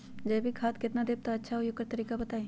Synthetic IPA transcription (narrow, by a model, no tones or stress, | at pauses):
d͡ʒɛːbʱikʰaːt̪kɪt̪nad̪eːb̚t̪aɐtːʃʰaɦojokːəɾt̪ɐɾiːkabɐt̪aːeː